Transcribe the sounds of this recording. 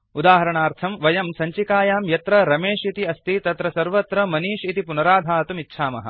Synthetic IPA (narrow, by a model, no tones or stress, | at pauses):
ud̪aːɦɐɾɐɳaːɾt̪ʰɐmʋɐjɐmsɐɲt͡ʃikaːjaːmjɐt̪ɾɐɾɐmeːʂit̪iɐst̪it̪ɐt̪ɾɐsɐɾʋɐt̪ɾɐmɐniːʃit̪ipunɐɾaːd̪ʱaːɐt̪umitːʃʰaːmɐ̰ɦɐ̰̆